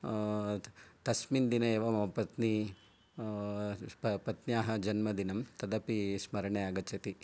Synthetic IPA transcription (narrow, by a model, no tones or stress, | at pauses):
t̪ɐsmind̪inɐeːʋɐmɐɐpɐt̪ni | ppɐt̪njaːɦɐd͡ʒɐnmɐd̪inɐmt̪ɐd̪ɐpismɐɾɐɳeaɡɐt͡ʃʰɐt̪i